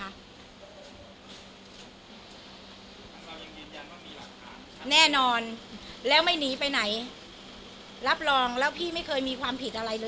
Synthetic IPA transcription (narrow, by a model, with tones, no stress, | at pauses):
nɛː˥˩nɔː˧nlɛː˦˥wma˥˩jniː˩˦pa˧jna˩˦j | ɾa˦˥p̚ɾɔː˧ŋlɛː˦˥wpʰiː˥˩ma˥˩jkʰɤː˧jmiː˧kʰwaː˧mpʰi˨˩t̪̚ʔa˧ɾa˧jlɤː˧